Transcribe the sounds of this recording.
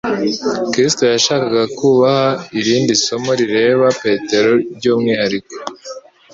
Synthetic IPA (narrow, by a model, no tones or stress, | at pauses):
kɾisto̞jaʃaːkaɡakuːβahaiɾiːndiso̞mo̞ɾiɾe̞ːβape̞ːte̞ɾo̞ɾɟoːmŋiːhaɾiko̥